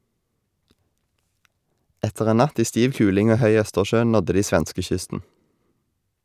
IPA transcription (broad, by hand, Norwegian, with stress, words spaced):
ˈɛtəʁ ˈeː ˈnɑt ˈiː ˈstiːʋ ˈkʉːlɪŋ ˈoː ˈhœʏ ˈœstəʃøː ˈnɔdə ˈdiː ˈsʋɛnskəˌçʏstn̩